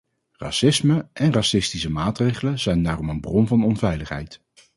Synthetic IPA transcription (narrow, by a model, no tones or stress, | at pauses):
rɑ̰sɪsməʔɛnrɑsɪstisəmaːtrejχələzɛjndaːrɔmənbrɔmvɑnɔnvɛjləχɦɛ̰jt